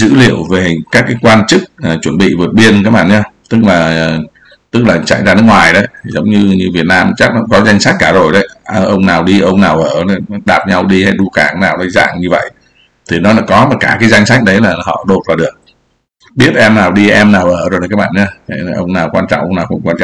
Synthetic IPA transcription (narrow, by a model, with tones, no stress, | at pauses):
zɨ̰˧˥lḭ˧˨əwve˨˩kaː˦˥kːaː˨˦jkwaː˧nt͡ɕɨ˦˥k̚ːt͡ɕwə˧˩nɓḭ˧˨vu˨˩t̚ɓi˧ənkaː˦˥ɓa̰ː˧˨ɲaː˧t̪ɨ˦˥k̚laː˨˩˨ | t̪ɨ˦˥k̚laː˨˩t͡ɕa̰˧˨jzaː˧nɨ˦˥kŋwaː˨˩jɗə˨˦jʰi˨˩zə˨˦wŋ͡mɲɨ˧ɲɨ˧vi˨˩ət̚naː˧mt͡ɕa˦˥k̚nɔ̰˧˥ŋ͡mkɔ˨˦za˧jŋ̟sa˦˥jk̟̚kaː˧˩zo˨˩jɗə˨˦jə˧ʔə˧wŋ͡mnaː˨˩wɗi˧ʔə˧wŋ͡mnaː˨˩wʔəː˧˩nɔ˨˦ɗaː˨˩p̚ɲa˧wɗi˧ha˧jɗu˧kaː˧˩naː˨˩wnə˨˧˦za̰ː˧˨ŋɲɨ˧və̰˧˨jʔ | t̪ʰi˨˩nɔ˨˦la˨˦kɔ˨˦ma˨˩kaː˧˩kaː˨˦jza˧jŋ̟sa˦˥jk̚ɗə˨˦jlaː˨˩hɔ̰˧˨ɗo˨˩t̚vaː˨˩ɗɨ˨˩ək̚ | ɓi˦˥ət̚ʔɛ˧mnaː˨˩wɗi˧ʔɛ˧mnaː˨˩wʔəː˧˩zo˨˩jkaː˦˥k̚ɓa̰ː˧˨ɲaː˧˩˨ʔə˧wŋ͡mnaː˨˩wkwaː˧nt͡ɕɔ̰˧˨wŋ͡mʔə˧wŋ͡mnaː˨˩wxə̰˧˦ŋ͡mkwaː˧nt͡ɕɔ̰˧˨